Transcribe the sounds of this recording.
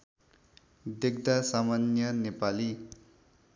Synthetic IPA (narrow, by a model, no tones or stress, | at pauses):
d̪eɡd̪asamanjʌnepali